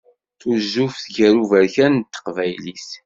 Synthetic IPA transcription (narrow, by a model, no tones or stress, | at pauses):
θuzːufθʝæɾuvæɾçænt̪ːə̥qvæjlis